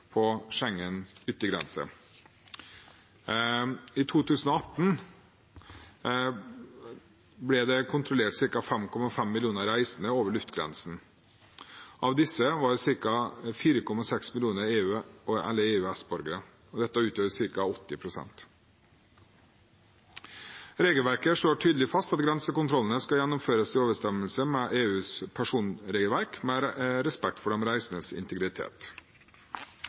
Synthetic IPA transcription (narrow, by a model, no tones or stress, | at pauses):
pʰɔʂɛŋːənʏt̪ːəɡɾɛ̰nsə̰ | ɪt̪ʰuːt̪ʰʉːsn̩ɔɑt̪n̩ | blɛd̪ɛkʰʊnt̪ʰɾɔleːʈsɪɾkɑfɛmkʰɔmɑfɛmːɪlɪuːnəɾæɪsənəoːʋəɭʉft̪ɡɾɛ̰nsn̩ | ʔɑʋd̪ɪsːəʋɑɖsɪɾkɑfiːɾəkʰɔmɑsɛksmɪlɪuːnəɾeːʉːɔʔɛ̰lːəeːʉːæsbɔɾɡəɾə | ɔd̪ɛt̪ːəʉːt̪ʰøːʋəsɪɾkɑɔt̪ːɪpʰɾʊsɛ̰nt̪ | ɾeːɡəlʋæɾkəʂloːʈʰyːd̪l̩ɪfɑst̪ɑt̪ɡɾɛnsəkʊnt̪ʰɾɔlənəskɑjɛnːʊmføːɾəst̪ʰɪoːʋəʂt̪ɛməlsəmɛʔeːʉːspʰæʂuːnɾeːɡəlʋæɾkmɛɾɛspɛk̚t̪fɔɖɛmɾæɪsənəsɪ̰nt̪əɡɾɪt̪ʰḛːt̪